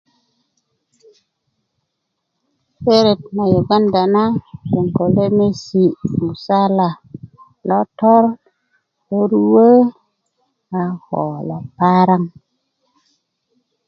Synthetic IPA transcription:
pe˦ɾe˨t̚ma˨jo˨ɡa˦nda˨na˦pe˨ŋko˨le˦me˦si˨mu˨sa˦la˨ | lɔ˦tɔ˦ɾ | o˦ɾu˦wə˦ | a˨hɔ̰˨lɔ˨pa˦ɾa˦ŋ

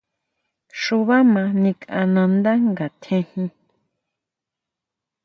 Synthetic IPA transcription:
ʃu˧βa˦mã˧nĩ˧kã̰˧nã˧nd̪a˦ŋɡa˨t̪ʰẽ˧hĩ˧

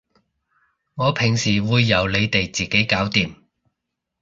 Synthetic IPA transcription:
ŋɔː˨˧pʰɪ˨˩ŋsiː˨˩wuː˨˧jːɐ˨˧wle˨˧jt̪e˨jt͡siː˨˩ke˨˥jkaː˨˥wt̪iː˨m

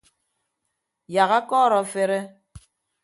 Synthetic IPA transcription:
ja˨ɣa˦kɔ˦˨ɾɔ˨fe˦ɾe˦

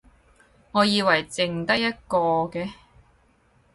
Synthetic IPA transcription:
ŋɔː˨˧jiː˨˧wɐ˨˩jt͡sɪ˧ŋt̪ɐ˥k̚jɐ˥t̚kɔː˧kɛː˧

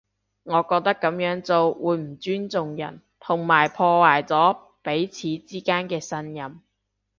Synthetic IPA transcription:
ŋɔː˨˧kɔː˧k̚t̪ɐ˥kːɐ˨˥mjœː˨˥ŋt͡so˧wwuː˨˧jm̩˨˩t͡ʃyː˥nt͡sʊ˨˧ŋjɐ̰˨˩n | t̪ʰʊ˨˩ŋmaː˨˩jpʰɔː˧waː˨˩jt͡sɔː˨˥ | pe˨˥jt͡sʰiː˨˧t͡siː˥kaː˥nkɛː˧sɐ˥njɐ˨˩m

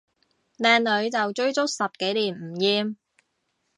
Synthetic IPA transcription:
lɛː˨˩nlɵ˨˧ɥt͡sɐ˨wt͡ʃɵ˥ɥt͡sʊ˥k̚sɐ˨p̚ke˨˥jliː˨˩nm̩˨˩jiː˧m

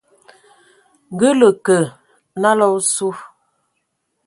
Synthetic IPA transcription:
ŋ˨ɡə˦lə˨kə˨ | na˦lɔ˦su˦

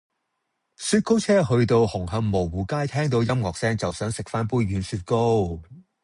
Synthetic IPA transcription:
syː˧t̚ko˥wt͡sʰɛː˥ɦɵ˧ɥt̪o˧whʊ˨˩ŋɦɐ˧ŋmo˨˩wwuː˨˩kaː˥jt̪ʰɛː˥ŋt̪̬o˨˧wjɐ˥mŋɔː˨k̚sɛː˥ŋt͡sɐ˨wsœː˨˥ŋsɪ˨k̚faː˥npuː˥jɥyː˨˥nsyː˧t̚ko˥w

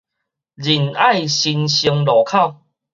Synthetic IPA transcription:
d͡ʑi˨˩na˥˧jɕi˧nɕi˧əŋlɔ˨˩kʰa˥˨

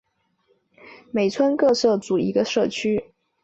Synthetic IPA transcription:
me˨˩ɪt͡sʰwə˥nkɤ˥˧sɤ˥˩t͡su˨˩ḭ˧˥ɡə˧ʂɤ˥˩t͡ɕʰy˥

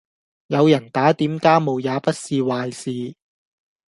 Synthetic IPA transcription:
jɐ˨˧wjɐ˨˩nt̪aː˨˥t̪iː˨˥mkaː˥mo˨wjaː˨˧pɐ˥t̚siː˧waː˨˧jsiː˨˧

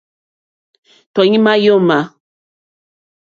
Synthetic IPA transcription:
tɔ˨ɲĩ˦ma˦jɔ˦ma˨

